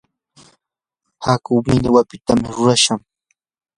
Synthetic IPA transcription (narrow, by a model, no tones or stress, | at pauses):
hakʊbmɪʎɪwapɪt̪amɪɾʊɾaʃaŋ